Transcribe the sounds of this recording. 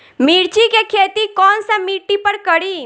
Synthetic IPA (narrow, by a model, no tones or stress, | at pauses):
miɾt͡ʃikekʰet̪ikɔːnsə̃miʈipəɾkəɽi